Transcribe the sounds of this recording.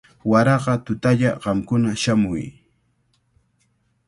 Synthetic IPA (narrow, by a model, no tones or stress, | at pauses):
waɾɑɢɑt̪ʊt̪aʎaɢɑmkʊnaʃamʊj